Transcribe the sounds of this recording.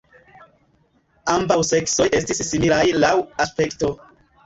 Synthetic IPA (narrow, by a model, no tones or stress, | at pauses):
ambawse̞kso̞jʔestisːimilajlawaspe̞kto̞